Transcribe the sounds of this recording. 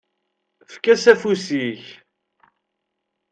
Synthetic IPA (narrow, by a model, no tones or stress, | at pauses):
fkːæsæfusiç